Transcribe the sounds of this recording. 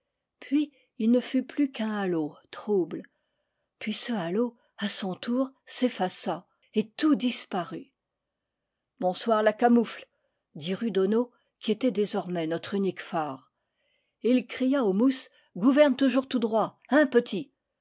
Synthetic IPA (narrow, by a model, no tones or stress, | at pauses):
pʰɥiː | lnəfyplykɛ̃alot̪χubl | pɥisəalo | asɔ̃t̪ʰuʁsefasa | et̪ud̪ispaʁy | bɔ̃swaʁlakamufl | d̪iʁyd̪ɔno | kʲiet̪ɛd̪ezɔʁmɛnɔt̪χynikfaːʁ | ilkχijaomus | ɡuvɛʁnt̪uʒuʁt̪ud̪ʁwa | ɛ̃pət̪i